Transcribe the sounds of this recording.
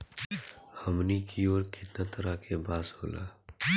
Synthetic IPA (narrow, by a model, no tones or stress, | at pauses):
hɐmnikioːɾkɪt̪nat̪ʰɐɾakʰebaːshoːla̰ː